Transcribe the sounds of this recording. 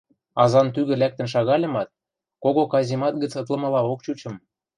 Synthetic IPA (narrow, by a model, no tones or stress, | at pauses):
ɑzɑnt̪yɣɘ̆læk̚t̪ə̆nʃɑɣɑlʲɤ̆mɑt̪̚ | koɣokɑzʲimɑt̪ɡə̆t͡sɤ̆t̪lˠɤ̆mɤ̆lɑokt͡ɕut͡ɕɤ̆m